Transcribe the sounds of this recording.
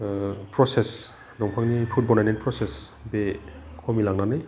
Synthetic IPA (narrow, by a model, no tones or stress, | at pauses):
pɾɔses | nɔŋpʰaŋnipʰut̚bɔnajnenpʰɾɔsesbekʰɔmilaŋnanɯj